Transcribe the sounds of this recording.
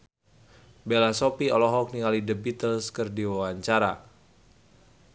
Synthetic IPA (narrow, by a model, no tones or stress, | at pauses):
belasopiɔlɔɦɔk̚nikalidəbit̪əlskərdiwawaɲt͡ʃaɾa